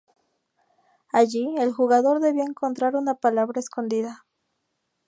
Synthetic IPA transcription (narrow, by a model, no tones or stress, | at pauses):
aʝielxuɣaðo̞ɾðeβiaeŋko̞nt̪ɾaɾunapalaβɾaesko̞nd̪iða